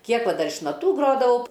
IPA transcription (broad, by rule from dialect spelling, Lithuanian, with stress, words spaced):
ˈkʲiɛk ˈʋɐ ˈdɐr ɪʃ nɐˈtuː ˈɡroːdɐʋɐʊ